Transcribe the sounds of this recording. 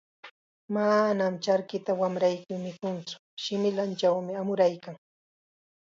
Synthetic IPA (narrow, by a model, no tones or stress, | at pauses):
manamt͡ʃaɾkɪt̪awamɾajkʊmɪkʊnt͡sʊ̥ | ʃɪmɪlant͡ʃawmɪamʊɾajkaŋ